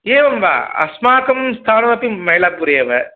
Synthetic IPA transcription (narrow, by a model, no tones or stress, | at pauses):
eːʋɐmba̰ːɐ̰smaːkɐmst̪ʰaːnɐɾɐpːimɐjlaːpuɾeʋɐ